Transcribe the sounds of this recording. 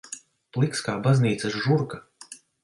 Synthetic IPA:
plˠikskaːbazniːt̪sɐsʒuɾka

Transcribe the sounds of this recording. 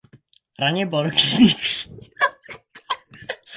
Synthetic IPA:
ɾaɲɛbɔlkʲʰit̪i

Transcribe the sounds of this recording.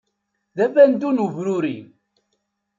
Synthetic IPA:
ðævænd̪unuvɾuɾin

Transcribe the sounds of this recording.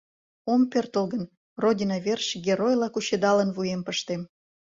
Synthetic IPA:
ompert̪olɣən | rodʲinɑverʃɡʲeɾojlɑkuɕed̪ɑlənvujempəʃt̪em

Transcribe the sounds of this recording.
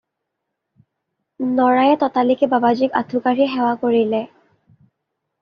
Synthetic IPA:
nɔɹajɛt̪ɔtalikɛbabazika̰dʰʱukaɹiɦɛwakoɹilɛ

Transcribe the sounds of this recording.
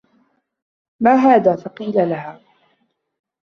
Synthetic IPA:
maːɦaːðaːfɑqiːlalaɦaː

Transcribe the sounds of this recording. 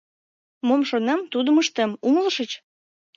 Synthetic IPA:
momʃonɑmt̪ud̪əməʃt̪emuŋəlʃət͡ɕ

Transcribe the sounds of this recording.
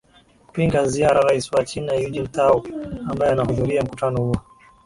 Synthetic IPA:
ku̥piŋɡaziaɾaɾaiswat͡ʃinajud͡ʒim̩taɔambajɔanahuðuɾiam̩kutanɔhuɔ

